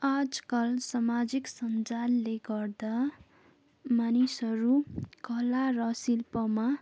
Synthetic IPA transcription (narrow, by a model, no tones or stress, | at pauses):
ad͡zkʌlsamad͡ziksʌnd͡zalːeɡʌrd̪a | manisʌɾukʌlarʌsilpʌma